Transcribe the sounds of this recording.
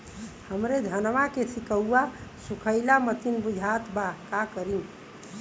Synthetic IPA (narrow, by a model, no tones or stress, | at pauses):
həmɾed̪ʱənʋakesikəːasukʰəɪlamət̪inbud͡ʒʱat̪bakakəɾin